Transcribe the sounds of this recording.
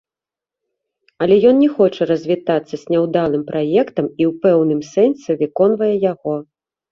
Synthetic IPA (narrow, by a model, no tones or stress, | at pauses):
ɐlʲɛjɔnnʲɛxɔt͡ʂɐɾɐzʲvʲit̪at̪sːɐzʲnʲɛwd̪alˠɨmpɾʔajɛkt̪ɐmiwpɛwnɨmsɛnsʲɛvʲɨkɔnvɐjɛjaɣɔ